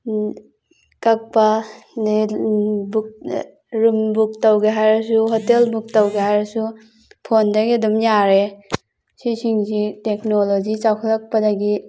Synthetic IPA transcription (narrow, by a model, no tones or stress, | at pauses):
kɐk̚pani | buk̚ | ɾumbuk̚tawɡeɦajɾɐsuɦotelbuk̚tawɡeɦajɾasu | pʰondaɡidumjaɾe | sisiŋziteknolod͡ʒit͡ʃawkʰalɐk̚pɐdaɡi